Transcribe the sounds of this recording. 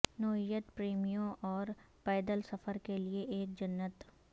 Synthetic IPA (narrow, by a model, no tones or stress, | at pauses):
nɔːijət̪pɾeːmijõʔɔːɾ | pɛːd̪əlsɐfəɾkelieʔeːk̚d͡ʒɐnːət̪